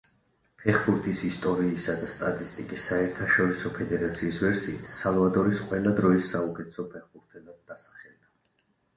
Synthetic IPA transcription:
pʰɛχbuɾt̪ʰisist̪ʼɔɾiːsad̪ast̪ʼat̪ʼist̪ʼikʼisːaɛɾt̪ʰaʃɔɾisɔpʰɛd̪ɛɾat̪sʰiːsvɛɾsḭːt̪ʰsalˠvad̪ɔɾisqʼwɛlˠad̪ɾɔisːaukʼɛt̪ʰɛ̥sɔpʰɛχbuɾt̪ʰɛlˠad̪̚ːasḁχɛlˠd̪a

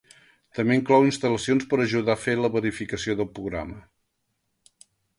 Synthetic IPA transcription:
t̪əmeŋklɔwinst̪ələsionspəɾəʒuðafeləβəɾifikəsioðəlˠpɾuɣɾa̰mə

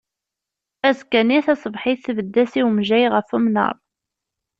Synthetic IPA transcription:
æzkæniθæsˤəvħiθθvəd̪ːæsiwmʒæjʁəfumnə̰ɾˤ

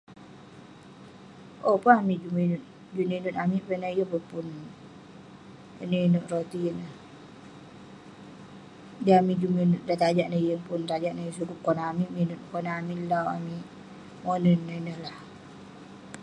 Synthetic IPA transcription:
ʔopaamid͡ʒuminun | d͡ʒuneinunamiʔpɛnaijəbəpun | ənəinuʔrot̪inəh | diamid͡ʒuminuʔdat̪ad͡ʒaʔnəijəŋpʊnt̪ad͡ʒaʔnajəsukup̚kɔnamiʔminunkɔnamilawa̰miʔ | monənːainəhlah

